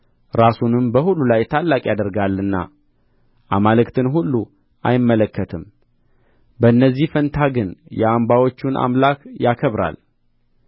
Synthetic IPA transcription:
ɾasunɨmbəhulːulajt̪ʰalːakʼjad̪əɾɡalːɨnːa̰ | ʔamalɨkt̪ʰɨnhulːu | ʔajɪmːələkːət̪ʰɨm | bəɨnːəzːihfənt̪ʰaɡɨnjɛambawo̞t͡ʃːunʔa̰mlakjakʰəβɾa̰l

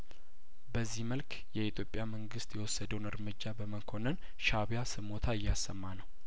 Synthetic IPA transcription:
bəzːihməlk | jɛit̪ʰjo̞pʼːjaməŋɡɨst̪jɛwɔsːəd̪əwunɨɾmɨd͡ʒːabəməkʰo̞nən | ʃaβjasɨmo̞t̪ʰaɪjːasːəmːanəw

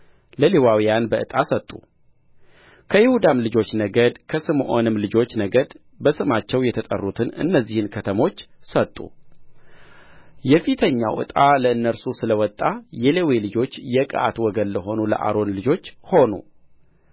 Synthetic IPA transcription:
ləlewawijanbəʔɨt̪ʼasət̪ʼːu | kʰəjɪhud̪amlɨd͡ʒo̞t͡ʃːnəɡəd̪kʰəsɨmʔo̰nɨmlɨd͡ʒo̞t͡ʃːnəɡəd̪ | bəsɨmat͡ʃːɛwjɛt̪ʰət̪ʼə̰rːut̪ʰɨnɨ̰nːəzːihɨnkʰət̪ʰəmo̞t͡ʃːsət̪ʼːṵ | jɛfit̪ʰəɲːa̰wʔɨ̰t̪ʼaləɨnːəɾsusɨləwɔt̪ʼːajɛlewelɨd͡ʒo̞t͡ʃːjɛkʼə̰ʔa̰t̪wɔɡənləɦo̞nulə̰ʔa̰ɾo̞nlɨd͡ʒo̞t͡ʃːho̞nṵ

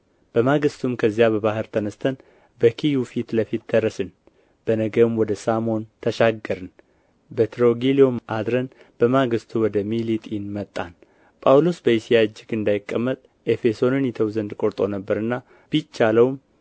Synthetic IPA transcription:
b̥əmaɡɨst̪ʰumkʰəzːjabəβaɦɨɾt̪ʰənəst̪ʰən | bəkʰijufit̪ləfit̪̚d̪əɾːəsɨn | b̥ənəɡəmwɔd̪əsamo̞nt̪ʰəʃaɡːəɾɨn | bət̪ʰɾo̞ɡilio̞mʔad̪ɾən | b̥əmaɡɨst̪ʰuwɔd̪əmilit̪ʼinmət̪ʼːan | pʼawlo̞sbəisijaɨd͡ʒːɪɡɨnd̪ajɪkʼːəmːət̪ʼ | ʔe̞fe̞so̞nɨnjɛt̪ʰəwzənd̪kʼo̞ɾt̪ʼo̞nəbːəɾɨnːa | b̥it͡ʃːaləwm

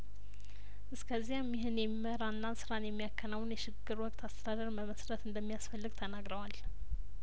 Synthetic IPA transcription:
ʔɨskʰəzːijamːiɦɨnjɛmiməɾaɨnːansɨɾanjɛmːijakːənawnjɛʃɪɡːɨɾwɔkʼt̪ʰast̪ʰəd̪ad̪əɾməməsɾət̪ɨnd̪əmːijasfəlːɨɡ̚t̪ʰənaɡɾəwal

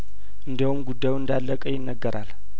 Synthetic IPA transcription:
ʔɨnd̪əhumɡud̪ːajuɨnd̪alːəkʼəjɪnːəɡːəɾʔal

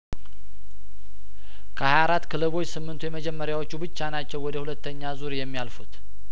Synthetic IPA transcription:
kʰəajaɾat̪ːkʰɨlɨβo̞t͡ʃːsɨmːɨnt̪ʰujɛməd͡ʒɛmːəɾjawo̞t͡ʃːubɨt͡ʃːanat͡ʃːɛwɔd̪əhulət̪ʰːəɲːazuɾjɛmːijalfut̪

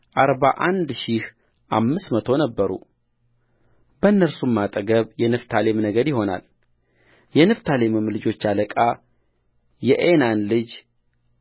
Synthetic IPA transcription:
ʔaɾbaʔand̪ʃih | ʔamːɨsmət̪ʰo̞nəbːəɾṵ | bənːəɾsumːat̪ʼəɡəβjɛnɨft̪ʰale̞mnəɡəɾjɪɦo̞na̰l | jɛnɨft̪ʰalemɨmlɨd͡ʒo̞t͡ʃːaləkʼa | jɛʔenanlɨd͡ʒ

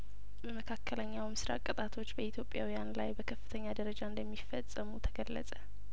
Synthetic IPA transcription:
bəməkʰakːələɲːawmɨsɾa̰kʼːət̪ʼat̪ʰo̞t͡ʃːbəit̪ʰjo̞pʼːjawijanlajbəkʰəfːɨt̪ʰəɲːad̪əɾəd͡ʒaɨnd̪əmːifəsʼəmut̪ʰəɡəlːə̰sʼə

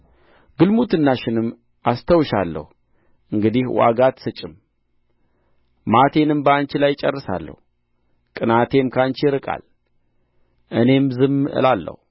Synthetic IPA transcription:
ɡɨlmut̪ɨnːaʃɪnɨm | ʔast̪ʰəwʃalːə̰hu | ʔɨŋɡɨd̪ihwa̰ɡat̪sɨt͡ʃʼɪm | mat̪ʰe̞nɨmbəant͡ʃɪlajt͡ʃʼɛrːɨsa̰lːə̰hu | kʼɨnat̪ʰe̞mkʰant͡ʃɪɪɾɨkʼa̰l | ʔɨne̞mzɨmːɨʔɨ̰lalːə̰hu

